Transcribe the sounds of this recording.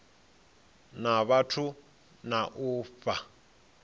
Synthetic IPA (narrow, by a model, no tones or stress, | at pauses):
naβatʰu | naʔuːp̪fa